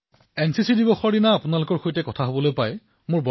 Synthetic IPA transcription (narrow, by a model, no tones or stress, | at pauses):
ɛnsisidibɔxɔɹdinaːpʊnalʊkɔɹxojtɛkɔtʰaɦobɔlojpaj | mʊɹbɔ